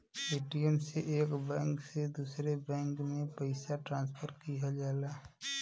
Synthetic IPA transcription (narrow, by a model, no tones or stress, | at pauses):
eːʈijɛmseʔeːkbɛ̃ːŋksed̪uːsɾebɛ̃ːŋkmẽpəɪsaʈɾãːnspʰəɾkijad͡ʒaːlaː